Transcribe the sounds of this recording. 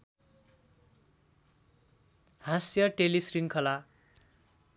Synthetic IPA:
hasjʌʈelisriŋkʰʌla

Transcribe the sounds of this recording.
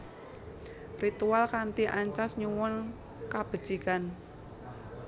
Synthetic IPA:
rit̪ualkant̪iʔaɲt͡ʃasɲuwɔn | kab̥ə̤̥d͡ʒ̥ikan

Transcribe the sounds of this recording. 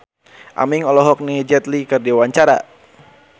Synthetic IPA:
ʔa̰miŋɔlɔɦɔk̚nid͡ʒɛt̪likərdiwaɲt͡ʃaɾa̰

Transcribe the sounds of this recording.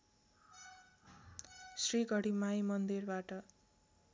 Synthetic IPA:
sriɡʱʌɽimajmʌnd̪irbaʈʌ

